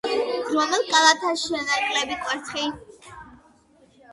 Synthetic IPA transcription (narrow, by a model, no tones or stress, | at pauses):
maʁʼɛlkʼalˠat̪ʰaʃianaɾkʼlɛbikʼwɛɾt̪ʰχi